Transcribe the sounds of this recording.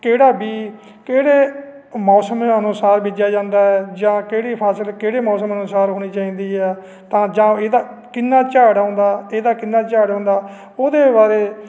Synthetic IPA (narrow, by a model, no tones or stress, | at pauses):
keːɽaːbiː | keːɽeː | mɔːsəmənʊsaːɾbɪːd͡ʒjaːd͡ʒãːnd̪aːɛːd͡ʒãːkeːɽiːpʰaːsəlkeːɽeːmɔːsəmənʊsaːɾɦoːɽ̃iːt͡ʃaːĩːnd̪iːɛː | t̪ãːd͡ʒãːeːd̪aː | kɪnːaːt͡ʃaːɽɦõːnd̪aːeːd̪aːkɪnːaːt͡ʃaːɽɦõːnd̪aː | oːd̪eːbaːɾeː